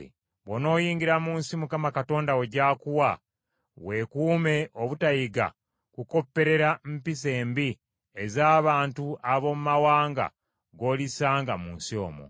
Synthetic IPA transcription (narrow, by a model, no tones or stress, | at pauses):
βono̞ːjiːŋɡiɾamuːnsimukamakato̞ːndaweɟaːkuwa | we̞kuːme̞ʔoβutajiɡa̰ | kuko̞pːe̞ɾe̞ɾampis̬e̞ːmbi | ezaːβaːntuaβo̞mumawaːŋɡa̰ | ɡo̞ːlisaːŋɡamuːnsio̞̰ːmo̰